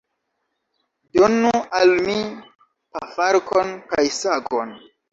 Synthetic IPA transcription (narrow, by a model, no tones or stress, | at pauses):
donualmi | pafaɾkonkajsaɡon